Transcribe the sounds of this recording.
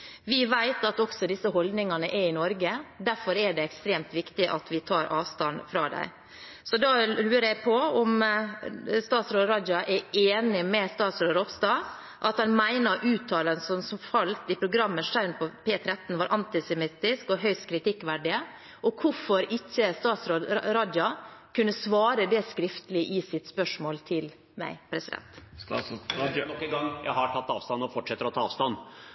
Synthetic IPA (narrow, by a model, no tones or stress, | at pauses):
ʋɪʋæɪt̪ɑt̪ɔksɔd̪ɪsːəɦɔld̪nɪŋɑnəʔɛɾɪnɔɾɡəd̪æɾfɔɾɛɖɛɛkst̪ɾeːmt̪ʋɪkt̪ɪʔɑt̪ʋɪt̪ʰɑːɾʔɑ̰ːʋst̪ɑnfɾɑ̰ːd̪æ̰ɪ | sɔd̪ɑːɾʉːəɾjæɪpʰɔɔm | st̪ɑːt̪sɾoːɾɑd͡ʒ̪ɑʔɛeːnɪmɛst̪ɑːt̪sɾoːɾɔpst̪ɑ | ʔɑt̪hɑnmæɪnɑɾʔʉːt̪ʰːɑːlənsɔmsɔmfɑlt̪ɪpʰɾʊɡɾɑmːəʂæɾnpʰɔpʰeːt̪ʰɾɛt̪n̩ʋɑːɾʔɑnt̪ɪsɛmɪt̪ɪskɔɦœʏst̪kʰɾɪt̪ɪkːʋæɖɪə | ʔɔkʰʊfɔɾɪçːəst̪ɑːt̪sɾoːd̪ɾɑːd̪jɑkʰʉnːəsʋɑːɾəd̪ɛskɾɪft̪əlɪʔɪsɪt̪spœʂmoːlt̪ʰɪl | mæ̰ɪpʰɾɛsɪd̪ɛ̰nt̪ | nɔkːəɡɑŋːjæ̰ɪhɑʈʰɑt̪ːɑ̰ːʋst̪ɑnːɔfɔʈʂɛt̪ːəɾɔt̪ʰɑːɑ̰ːʋst̪ɑnː